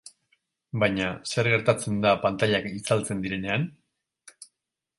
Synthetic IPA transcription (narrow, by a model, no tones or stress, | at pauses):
bajɲase̞ɾɣe̞ɾt̪at͡se̞nd̪apant̪aʎakit͡salt͡se̞nd̪iɾe̞ne̞an